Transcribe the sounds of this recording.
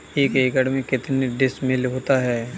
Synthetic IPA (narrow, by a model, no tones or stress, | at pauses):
eːkeːkəɽmẽkɪt̪neɖɪsmɪlɦoːt̪aɦɛː